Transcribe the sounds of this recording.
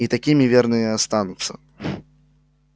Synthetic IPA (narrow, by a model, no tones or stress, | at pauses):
it̪akʲimʲivʲɛrnɨjast̪anut̪sːɐ̰